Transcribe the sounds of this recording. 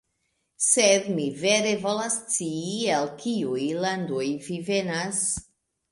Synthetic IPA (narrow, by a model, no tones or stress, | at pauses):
sed̪miveɾevolast͡siːelkiujland̪ojvivenas